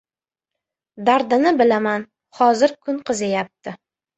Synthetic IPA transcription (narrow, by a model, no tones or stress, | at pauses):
d̪aɾd̪ɪnɪbɪlaman | χɒzɪɾkʰʊnqʰɨzajap̚t̪ʰɪ